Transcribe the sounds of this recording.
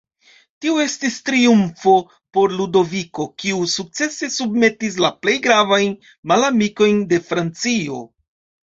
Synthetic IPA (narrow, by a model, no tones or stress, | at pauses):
tioe̞stistɾiumfo̞ | po̞ɾludo̞viko̞kiusuk̚t͡se̞se̞subme̞tis̬laple̞jɡɾavajn | malamiko̞jnde̞fɾant͡sio̞̰